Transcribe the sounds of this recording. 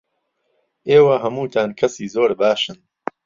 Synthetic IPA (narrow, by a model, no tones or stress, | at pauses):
ʔeːwɐɦɐmuːt̪ʰaːnkʰɐsiːzoːɾbaːʃɨn